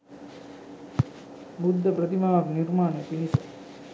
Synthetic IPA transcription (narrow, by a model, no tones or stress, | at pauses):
bud̪ʱːɐpɾɐt̪imaːʋɐkniɾmaːnəpinisə